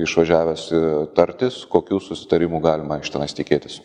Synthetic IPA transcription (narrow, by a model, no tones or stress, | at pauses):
ɪʃʋɐʒʲæːʋʲɛsɪt̪ɐɾʲt̪ʲɪskoːkʲuːsʊsʲɪ̥t̪ɐɾʲɪmuːɡɑːlʲɪmɐɐɪʃt̪ʲɛnɐɪst̪ʲɪkʲeːt̪ʲɪs